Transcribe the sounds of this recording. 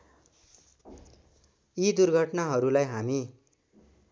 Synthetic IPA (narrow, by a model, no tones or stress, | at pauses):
id̪urɡʱʌʈnaɦʌɾulajɦami